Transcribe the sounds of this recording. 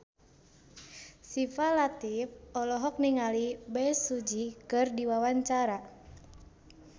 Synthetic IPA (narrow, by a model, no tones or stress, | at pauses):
sifalat̪ifɔlɔɦɔk̚niŋalibɛsud͡ʒikɨrdiwawaɲt͡ʃaɾa